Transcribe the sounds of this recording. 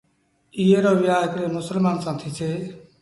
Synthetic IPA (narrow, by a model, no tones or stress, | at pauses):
ijeɾɔbiajkɾemʊsəlmansãnt̪ʰit͡sʰe